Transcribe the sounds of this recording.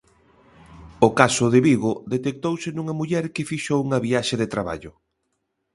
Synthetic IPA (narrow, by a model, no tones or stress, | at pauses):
ʊkasʊðɪβiɣoðet̪ek̚t̪owsɪnuŋɐmuʎɛɾkɪfiʃouŋɐβiaʃeðet̪ɾaβa̰ʎʊ